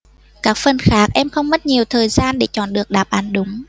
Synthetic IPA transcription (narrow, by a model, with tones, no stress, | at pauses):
kaː˦˥k̚fə˧˩nxaː˦˥k̚ʔɛ˧mxə˧wŋ͡mmə˦˥t̚ɲi˨˩əwt̪ʰəː˨˩jzaː˧nɗe˧˩t͡ɕɔ̰˧˩nɗɨ˨˩ək̚ɗaː˨˩p̚ʔa˨˩˦nɗʊ˨˦ŋ͡m